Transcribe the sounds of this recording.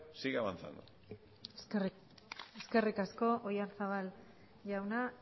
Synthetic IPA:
siɣaβant͡sa̰ŋɡ̪o̰ | eske̞rikasko̞ʔojaɾsaβal | ʝawna

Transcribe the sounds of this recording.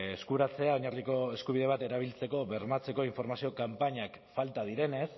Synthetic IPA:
eskuɾat͡se̞ao̞ɲarliko̞e̞skuβ̞ið̞e̞β̞at̪e̞ɾaβ̞ilt͡se̞ko̞βe̞ɾmat͡se̞ko̞iɱfo̞ɾmasio̞kampaɲak | falt̪að̞iɾe̞ne̞s

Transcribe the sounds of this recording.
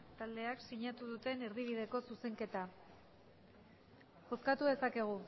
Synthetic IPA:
t̪ald̪e̞aksiɲat̪uðut̪e̞neɾðiβ̞ið̞e̞ko̞suse̞ŋke̞t̪a | o̞skat̪uðe̞sake̞ɣ̞u

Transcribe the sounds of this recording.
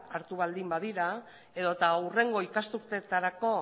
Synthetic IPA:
aɾt̪uβ̞ald̪imbaðiɾa | e̞ðo̞t̪aure̞ŋɡo̞ikast̪uɾt̪e̞t̪aɾako̞

